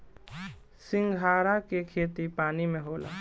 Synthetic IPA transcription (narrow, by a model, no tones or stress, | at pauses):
sɪ̃ŋɡʱaːɾakekʰeːt̪ipaːnimẽɦoːla̰ː